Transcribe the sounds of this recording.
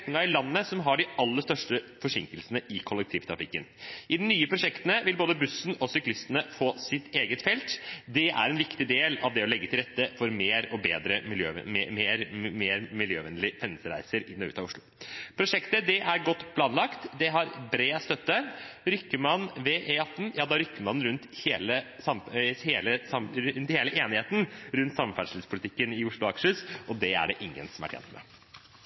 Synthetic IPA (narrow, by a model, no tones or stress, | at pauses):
nɪŋɑɪlɑnːəsɔmɦɑɖɪɑlːəʂst̪œʂʈəfɔʂɪŋkəlsənəʔɪkʰɔlːəkt̪ʰiːʋt̪ʰɾɑ̰fɪkːənʔɪd̪ɛnːyːəpʰɾʊʂɛkt̪ənəʋɪlboːd̪əbʉsːn̩ɔsʏklɪst̪ənəfoːsɪt̪eːɡət̪fɛlt̪d̪ɛʔæ̰ɾɛnʋɪkt̪ɪd̪eːlɑ̰ʋd̪ɛɔlɛɡːət̪ɪlɾɛt̪ːəfɔɾmeːɾɔbeːd̪ɾəɪljø̰ːmeːɾmeːɾmɪljøːʋɛnlɪfɛnːəsəɾæ̰ɪsəɾɪnːɔʉ̰ːt̪ɑʊʂɭʊpʰɾʊʂɛkt̪əd̪ɛʔæɾɡɔt̪ːpʰlɑːnlɑkt̪d̪ɛɦɑɾbɾeːst̪œt̪ːəɾʏkːəmɑnʋɛʔeːɑt̪ːn̩jɑːd̪ɑɾʏkːəmɑnːɾʉnt̪heːlə | sɑmheːləsɑmɾʉnt̪heːləʔeːnɪheːt̪n̩ɾʉnt̪sɑmfæɖʂləlspʰʊlɪt̪ʰɪkːənɪʊʂɭʊɑkʂəsʔɔd̪ɛæ̰ɖɛʔɪŋːə̰nsɔmæʈʰjɛ̰nt̪mɛ̰